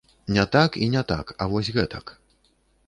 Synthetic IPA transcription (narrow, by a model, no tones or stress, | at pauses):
nʲɛt̪akinʲɛt̪a̰kɐvɔsʲɣɛt̪ɐk